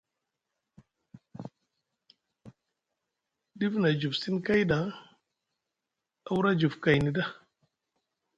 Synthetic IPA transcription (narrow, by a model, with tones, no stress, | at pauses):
di˦fna˨d͡ʒu˨fsi˦nka˦jda˨˦ | a˦wu˦ɾa˦d͡ʒu˨fka˨jni˨da˦